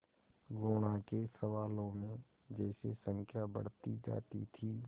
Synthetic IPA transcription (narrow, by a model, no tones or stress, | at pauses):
ɡoːɽ̃akesəʋaːlõmẽ | d͡ʒɛːsesə̃ŋkʰjabə̰ɽ̤t̪id͡ʒa̰ːt̪it̪ʰi